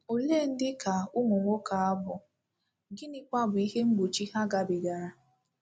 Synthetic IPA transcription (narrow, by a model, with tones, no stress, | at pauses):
o˨le˦˨n̩˦dɪ˦ka˨ʊ˦mʊ˨ŋʷo˦ka˨a˦bʊ˨ | ɡɪ˦nɪ˦k͡pa˦bʊ˨i˦ɦe˦ŋ͡m̩˦ɡ͡bo˨t͡ʃi˦ha˦ɡa˨bɪ˨ɡa˨ɾa˨